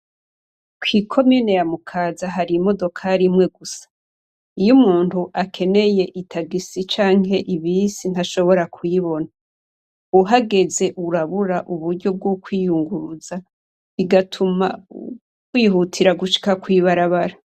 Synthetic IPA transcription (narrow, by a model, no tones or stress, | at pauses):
kwiːkʰo̞miːne̞jamukʰaːzaɦaɾimo̞do̞kʰaɾimŋe̞ɡusḁ | ijumuːntuʔakʰe̞ne̞je̞ʔitʰaɡisit͡ʃaːŋhe̞ʔiβisin̥aʃo̞βo̞ɾakʰujiβo̞na | uɦaɡe̞ze̞ʔuɾaβuɾaʔuβuɾɟo̞b̚ɡukʰwiːjuŋɡuɾuza | βiɡatʰuma̰ | kwiːhutʰiɾaɡuʃi̥kakwiːβaɾaβaɾa